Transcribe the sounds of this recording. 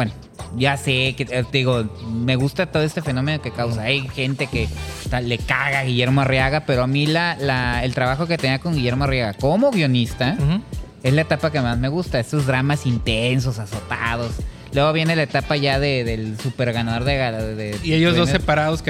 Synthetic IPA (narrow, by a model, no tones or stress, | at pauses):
bweno | ʝaseked̪iɣo̞me̞ɣust̪at̪o̞ðoest̪e̞feno̞me̞nokekawsaajxe̞nt̪e̞ke̞t̪ale̞kaɣaɣiʝe̞ɾmoarjaɣape̞ɾoamilalaelt̪ɾaβaxo̞ke̞t̪e̞niako̞ŋɡiʝe̞ɾmoarjaɣako̞mo̞ɣjo̞nist̪a | e̞zlae̞t̪apake̞mazme̞ɣust̪aest̪o̞zðɾamasint̪ens̬o̞saso̞t̪að̞o̞s | lweɣo̞β̞je̞ne̞lae̞t̪apaʝaðe̞ðe̞lsupe̞ɾɣanaðo̞ɾðeɣaðeiejozdosepaɾaðosk